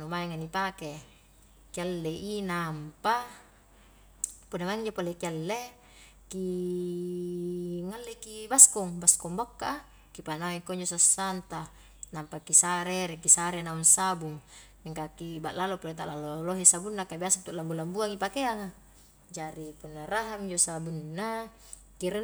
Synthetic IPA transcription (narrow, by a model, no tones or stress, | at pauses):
numaiŋanipake | kialːeʔinampa | punamaŋɲd͡ʒopolekialːe | ki | ŋalːekibaskɔŋbaskɔŋbokːaʔ | kipanaŋikoɲd͡ʒosasːant̪a | nampakisaɾeɾekisaɾenaunsabuŋ | miŋkakibaʔlalopolet̪a̰ʔlaloloɦisabunːakabiasat̪uʔlambulambuaŋipakeaŋa | d͡ʒaɾipunːaraɦamiɲd͡ʒosabunːa | kiɾ